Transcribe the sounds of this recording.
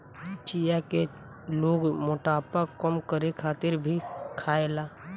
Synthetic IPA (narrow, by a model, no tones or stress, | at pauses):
t͡ʃijake | loːɡmʊʈaːpakəmkəɾekʰaːt̪ɪɾbʱikʰaːelaː